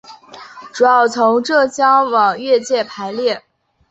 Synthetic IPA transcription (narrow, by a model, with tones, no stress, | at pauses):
ʈ͡ʂu˨˩jɑ˥˩ʊt͡sʰʊ˧˥ŋʈ͡ʂɤ˥˩t͡ɕjɑ˥ŋwɑ˨˩ŋɥɛ˥˧t͡ɕjɛ˥˩pʰa˧˥ɪljɛ˥˩